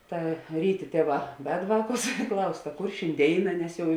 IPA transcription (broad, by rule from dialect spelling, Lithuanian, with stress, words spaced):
ˈtɐ ˈrʲiːˌtʲeː ˈtʲeːˌʋɑː ʋʲɛt ˈʋɑːˌkʊs ɪ ˈklˠɐʊs tɐ ˈkʊr ʃʲɪnʲˈdʲeːɪnɐ ˈnʲɛs ˈjɛʊ